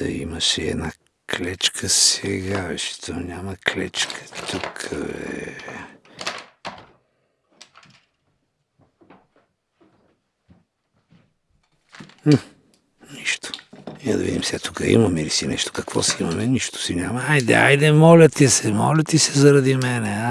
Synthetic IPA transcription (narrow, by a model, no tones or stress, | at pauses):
ḭməʃɛɛ̰d̪na | klɛt͡ʃkʰəsɛɡavɛʃɛ̥t̪ʰonʲamɐklɛ̰t͡ʃkʰə̥t̪ukʰəɛ̰ | niʃt̪o̥iɛd̪ɐ̰vḭd̪imsɛɐt̪ukəḭmɐmɛilisinɛʃt̪o̥kɐkvɔ̰sɛimɐmɛniʃt̪ʊ̥sinʲaməajd̪ɛ̰a̰jd̪ɛmɔlʲɐt̪ɛsɛmɔ̰lʲɐt̪isɛzɐɾɐd̪imɛnɛa